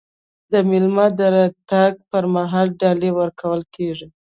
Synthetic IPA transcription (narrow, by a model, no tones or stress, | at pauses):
d̪əmɪlmɑd̪əɾat̪aɡ̚pəɾmaɦɑlɖɑlewəɾkʰawəlkeʐi